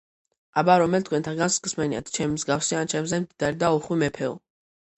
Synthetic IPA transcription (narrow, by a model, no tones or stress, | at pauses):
abaɾɔmɛlt̪ʰkwɛnt̪ʰaɡanskʼsmɛnia̰t̪ʰt͡ʃʰɛmimzɡafsiant͡ʃʰɛmzɛmd̪id̪aɾid̪auχwimɛpʰɛɔ̰